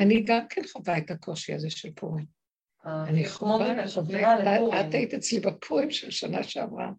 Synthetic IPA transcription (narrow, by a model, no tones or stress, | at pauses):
aniɡamkʰenχavaetakʰo̞ʃia̰zeʃelpʰoʁim | aniχvaeaatait̪iet͡slibapʰoʁimʃelʃana̰ʃeavʁa̰